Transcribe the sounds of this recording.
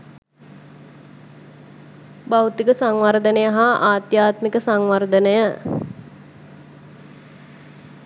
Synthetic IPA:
bawt̪ikəsaŋʋaɾd̪ənəjəɦaaːt̪jaːt̪mikəsaŋʋaɾd̪ənəjə

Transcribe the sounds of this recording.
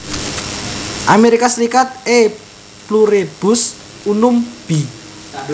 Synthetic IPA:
ʔameɾikasɾikat̪̚e | pluɾeb̥ʊ̤s | unʊmb̥i

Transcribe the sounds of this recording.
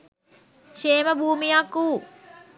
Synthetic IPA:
ʃeːməbʱuːmijakːuː

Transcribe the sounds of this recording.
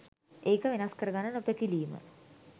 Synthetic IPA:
ʔeːkəʋenaskəɾəɡanːənopəkiliːmə̰

